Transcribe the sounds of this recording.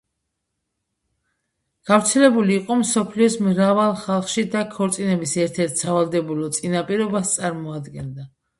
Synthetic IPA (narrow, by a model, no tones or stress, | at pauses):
ɡ̥avɾt̪sʰɛlɛbuliːqʼɔmsɔpʰliɔsmɾavalˠχalˠχʃid̪akʰɔɾt̪sʼinɛbisɛɾt̪ʰɛɾt̪ʰsavalˠd̪ɛbulˠɔt̪sʼinapʼiɾɔbast̪sʼaɾmɔad̪ɡɛnd̪a